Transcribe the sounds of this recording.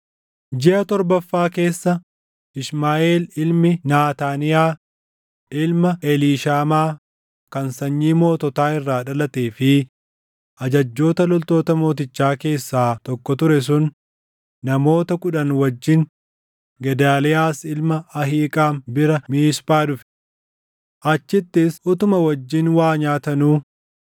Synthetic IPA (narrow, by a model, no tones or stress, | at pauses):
d͡ʒɛɐt̪ɔɾbɐfːaːke̞ːsːɐ | ɪʃmaːʔeːlɪlmɪnaːt̪aːnɪjaː | ɪlmɐɛliːʃaːmaː | kɐnsɐɲːiːmo̞ːt̪ɔt̪aːɪrːaːᶑɐlɐt̪eːfɪ | ʔɐd͡ʒɐd͡ʒːo̞ːt̪ɐlɔlt̪o̞ːt̪ɐmo̞ːt̪̬ɪt͡ʃːaːke̞ːsːaːt̪ɔkːɔt̪ʊɾɛs̬ʊnː | ɐmo̞ːt̪ɐkʼʊᶑɐnwɐd͡ʒːɪŋ | ɡɛd̪aːlɪjaːsɪlmɐɐɦiːkʼaːnbɪɾɐmiːspaːdʊf | ʔɐt͡ʃːɪt̪ːɪsʊt̪ʊmɐwɐd͡ʒːɪnwaːɲaːt̪ɐnuː